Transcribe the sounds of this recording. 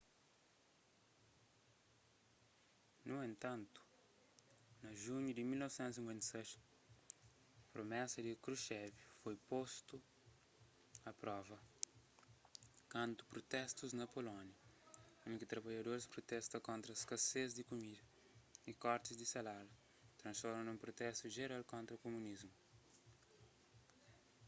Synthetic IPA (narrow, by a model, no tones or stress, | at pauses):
nuẽnt̪ãnt̪u̥ | nɐʒũɲud̪imilnɔvsɛ̃nt̪us̬ĩŋkwẽnt̪ɐ̥sɛʃ | ɐpɾomɛsɐd̪ikɾuʃɛvufojpost̪u | ɐpɾɔvɐ | kãnt̪u̥pɾot̪ɛst̪uznɐpolɔnjɐũŋkit̪ɾɐbaʎɐd̪oɾispɾot̪ɛst̪ɐkõnt̪ɾɐskɐsezd̪ikumid̪ɐ | ikɔɾt̪izd̪isalalɐ | t̪ɾɐ̃nsfɔɾmɐ̃nũmpɾot̪ɛst̪uʒeɾalkõnt̪ɾɐkomunizmu